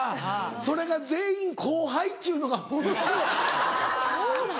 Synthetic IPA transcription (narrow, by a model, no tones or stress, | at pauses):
so̞ɾe̞ɡad͡ze̞ːĩŋkʰo̞ːɦait̪ːeiɯ̟no̞ɡamoso | o